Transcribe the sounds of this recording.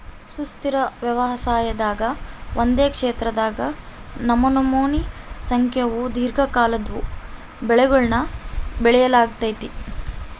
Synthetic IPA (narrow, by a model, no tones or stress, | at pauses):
sust̪iɾɐʋjɐʋɐsaːjɐd̪aːɡɐʋʔond̪eːkʂeːt̪ɾɐd̪aːɡɐnɐmɐnɐmoːnisɐŋkʰjɐʋud̪ʱiːɾɡʱɐkaːlɐd̪ʋu | bɛɭɛɡuɭnɐbɛɭɛjɐlaːɡ̚t̪ɐjt̪i